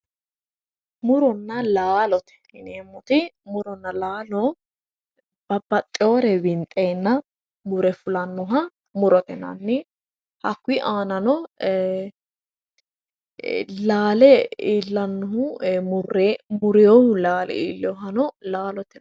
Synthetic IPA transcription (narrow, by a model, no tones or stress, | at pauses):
mʊɾɔnːɐlaːlɔt̪ɛ̥ɪneːmːɔt̪ɪmʊɾɔnːɐlaːlɔ | b̥ɐb̥ɐt̪ʼːɪoːɾɛbɪnt̪ʼːeːnːɐ | mʊɾɛfʊlɐnːɔɦɐ | mʊɾɔt̪ɛnɐ̰nːɪ | hɐkːʊiʔaːnɐnɔ | laːlɛiːlːɐnːɔɦʊʊremʊɾɛjɔhʊlaːlɛ̰ḭːlːɛɔɦɐnɔlaːlɔt̪ɛ